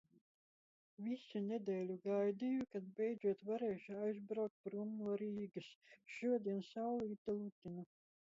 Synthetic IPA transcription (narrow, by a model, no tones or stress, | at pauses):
visunʲed̪ʲɛːlʲuɡajd̪ijukad̪̚bʲɛjd̪zuɔt̪vaɾeːʃuajzbɾawk̚t̪̚bɾumːuɔɾiːɡɨsʃuɔd̪ʲiɛnsawlˠiːt̪alˠut̪ʲinu